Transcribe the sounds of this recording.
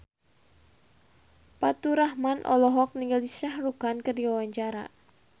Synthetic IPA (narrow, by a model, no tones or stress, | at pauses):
pat̪uɾahmanʔɔ̰lɔɦɔk̚niŋɡalisahruɡankərdiwawaɲt͡ʃaɾa̰